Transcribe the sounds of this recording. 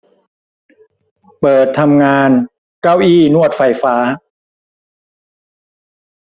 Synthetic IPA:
pɤː˨˩t̪ʰːa˧mŋaː˧n | ka˥˩wʔiː˥˩nu˥˩ət̪̚fa˧jfaː˦˥

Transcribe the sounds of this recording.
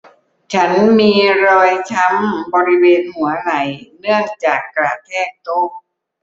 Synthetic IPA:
t͡ɕʰa˦˥nmiː˧ɾɔː˧jt͡ɕʰa˦˥mbɔː˧ɾi˦˥weː˧nhu˩˦ɐna˩˦jnɯ˥˩əŋt͡ɕaː˨˩kːɾaː˨˩t̪ʰɛː˥˩k̚t̪o˦˥˩k̚

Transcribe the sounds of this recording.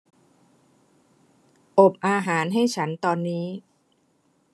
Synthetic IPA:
ʔo˨˩p̚ʔaː˧ɦaː˩˦nɦa˥˩jt͡ɕʰa˦˥nt̪ɔː˧nːiː˦˥

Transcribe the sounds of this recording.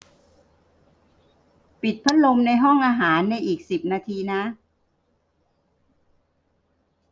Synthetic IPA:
pi˨˩t̪̚pʰa˦˥n̚lo˧mna˧jɦɔ˥˩ŋʔaː˧ɦaː˩˦nːa˧jʔiː˨˩k̚si˨˩p̚naː˧t̪ʰiː˧na˦˥ʔ

